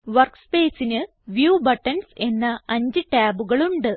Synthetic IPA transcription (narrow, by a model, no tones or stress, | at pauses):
ʋɐrkspe̞ːsinɨ | ʋjuːbɐʈːɐnse̞nːɐɐɲd͡ʑɨʈaːbuɣɐɭuɳɖɨ